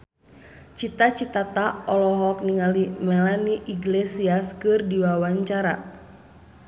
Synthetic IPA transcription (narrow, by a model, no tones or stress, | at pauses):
t͡ʃit̪at͡ʃit̪at̪aɔlɔɦɔk̚niŋalimɛlaniʔiɡlesiaskɨrdiwawaɲt͡ʃaɾa̰